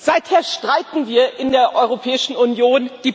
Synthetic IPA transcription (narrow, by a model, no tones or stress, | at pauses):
z̥aɪtheːɐʃtʁ̥aɪtn̩viːɐʔɪndeːɐʔɔʏʁ̞opʰɛːɪʃn̩ʊnjoːnd̥iː